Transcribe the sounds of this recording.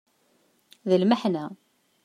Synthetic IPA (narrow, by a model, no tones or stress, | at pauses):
ðəlməħnæ